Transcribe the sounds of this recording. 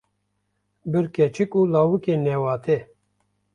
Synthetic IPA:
bɨɾkɛt͡ʃʰɨkuːlaːwɨkenɛwɑːt̪ʰe

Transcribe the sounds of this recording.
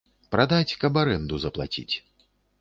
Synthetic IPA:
pɾad̪at͡sʲkɐbaɾɛnd̪uzɐplˠa̰t͡sʲḭt͡sʲ

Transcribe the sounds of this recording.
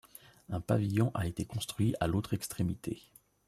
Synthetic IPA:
ɛ̃pavijɔ̃ʔaet̪ekɔ̃st̪χɥiʔalot̪χɛkst̪χemit̪ʰḛ

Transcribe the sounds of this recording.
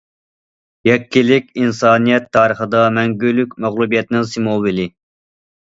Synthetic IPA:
jɛkʲʰːilɪkʲinsɑːnijɛt̪ʰːɑːɾəχəd̪ɑmɛŋɡʲylykʲmæʁlˠubijɛt̪nɪŋsimobilɪ

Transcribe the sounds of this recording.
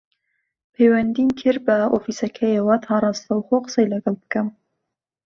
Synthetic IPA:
pʰejwænd̪inkʰɨɾbɐofisɐkʰɛjewɐt̪ʰɑːɾˤɑːst̪ɐwxoqə̥sɛjlɐɡɑlˠbɨ̥kɐm

